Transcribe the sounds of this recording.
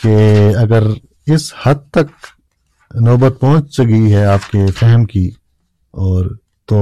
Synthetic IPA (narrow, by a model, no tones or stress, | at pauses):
keɐɡəɾ | ɪshɐd̪̚t̪ɐk̚ | nɔːbət̪̚pɐɦʊ̃t͡ʃt͡ʃɐɡiɦɛaːp̚kefɛɦɛmki | ɔːɾ | t̪o